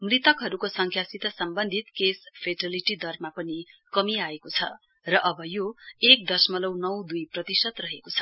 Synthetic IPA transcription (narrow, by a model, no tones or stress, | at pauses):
mrit̪ʌkɦʌɾukosʌŋkʰjasit̪ʌsʌmbʌnd̪ʱit̪kespʰeʈʌliʈid̪ʌrmapʌnikʌmiaekot͡sʰʌ̰ | rʌʔʌbʌjoek̚d̪ʌsmʌlʌwnʌwd̪ujprʌt̪isʌt̪rʌɦekot͡sʰʌ̥